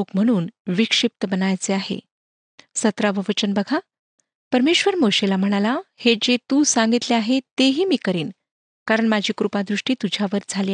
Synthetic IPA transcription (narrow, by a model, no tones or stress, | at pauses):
lokm̤əɽ̃uːnʋikʂip̚t̪əbənajt͡seahḛ | sət̪ɾaʋəʋət͡ɕənbəɡʱa | pəɾmeɕʋəɾmoɕelam̤əɽ̃alahed͡ʑet̪usaŋɡit̪leaɦet̪eɦiːmiːkəɾiːn | kaɾəɳmad͡ʑʱiːkɾupad̪ɾuʂʈiːt̪ud͡ʑʱjaʋəɾd͡zʱaliː